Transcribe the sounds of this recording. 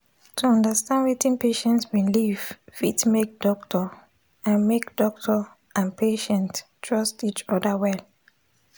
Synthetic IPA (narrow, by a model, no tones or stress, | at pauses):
tʰuɔ̃ndəstãndwitĩnpeʃɛ̃ntswĩnliv̥fitmek̚d̥ɔk̚tʰɔ | ãnmekd̥ɔk̚tʰɔ | ʔãnpʰeʃɛ̃nttʰːɹɔstit͡ʃɔdawɛl